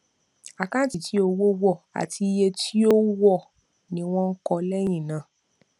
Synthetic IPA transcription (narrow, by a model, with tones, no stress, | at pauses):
a˨kã˦ti˨ti˨˦o˧wo˦wɔ˦˨a̰˨tʰi˧je˧tʰi˦o˦wɔ˦˨ | nĩ˧˦w̃ɔ̃˦n̩˦kɔ˧lɛ˦j̃ĩ˦˨nã˨